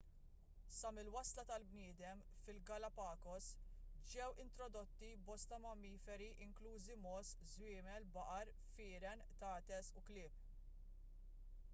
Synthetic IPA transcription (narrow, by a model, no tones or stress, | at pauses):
sɐmɪlwɐslɐt̪ɐlbnɪːd̪ɛm | fɪlɡɐlɐpɐːkɔsd͡ʒɛwɪnt̪ɾɔd̪ɔt̪ːibɔst̪ɐmɐmiːfɛɾiʔɪŋkluːzimɔːs | zwɪːmɛlbɐʔɐɾ | fɪːɾɛnt̪ɐːt̪ɛsuklɪːp̚